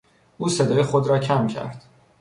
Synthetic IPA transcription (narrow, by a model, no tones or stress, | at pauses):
ʔuːsed̪ɒːjexod̪ɾɒːcʰæmcʲʰæ̰ɾd̪̥